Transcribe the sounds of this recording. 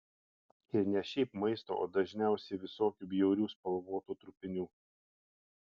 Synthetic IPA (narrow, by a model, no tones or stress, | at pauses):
ɪɾnʲɛʃʲɛɪpmɐɪst̪o̰ːʔo̰ːd̪ɐʒʲnʲæˑʊsʲɛɪʋʲɪsoːkʲuːbʲjɛʊɾʲuːspɐlˠʋoːt̪uːt̪ɾʊpʲɪnʲuː